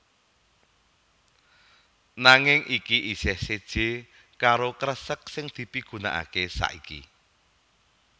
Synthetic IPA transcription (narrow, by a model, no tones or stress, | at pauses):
naŋɪŋʔikiʔisɪhsed̥ʒ̥e̤ | kaɾokəɾəsək̚sɪŋd̪̥i̤piɡ̥ṳna̰ʔa̰kesa̰ʔikḭ